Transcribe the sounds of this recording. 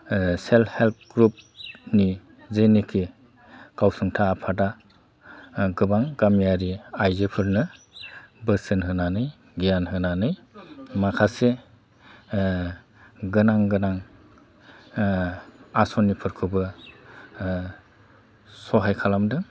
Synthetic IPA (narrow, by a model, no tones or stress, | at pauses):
selhelp̚ɡɾup̚ni | zenikʰi | ɡ̥awsɯŋtʰaːpʰada | ɡɯbaŋɡamijaɾiajzɯpʰɯɾnɯ | bɯsɯnɦɯnanɯj | ɡijanɦɯnanɯjmakʰase | ɡɯnaŋɡɯnaŋ | asɔnipʰɯɾkʰɯbɯ | sɔɦajkʰalamdɯŋ